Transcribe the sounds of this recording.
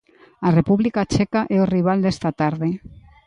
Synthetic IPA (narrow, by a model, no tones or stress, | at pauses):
arepuβlikat͡ʃɛkaʔeoriβ̞ald̪est̪at̪aɾðe